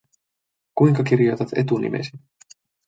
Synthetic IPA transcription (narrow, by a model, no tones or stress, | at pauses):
kujŋkɑkirjo̞t̪ɑt̪ḛt̪unḭmʔḛsi